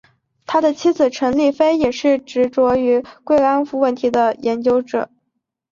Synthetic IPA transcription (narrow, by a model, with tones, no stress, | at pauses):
t̪ʰa˥d̪ə˨t͡ɕʰi˥d͡zɹ̩˨˩ʈ͡ʂʰɤ˧˥ŋli˥˩fe˥ɪjɛ˨˩ʂɻ̩˥˩ʈ͡ʂɻ̩˧˥ʈ͡ʂwɔ˧˥y˧˥kwe˥˩ɪla˥nfu˧˥wə˥˩nt̪ʰi˧˥d̪ə˧jɛ˧˥nt͡ɕjo˥ʊʈ͡ʂɤ̰˨˩˦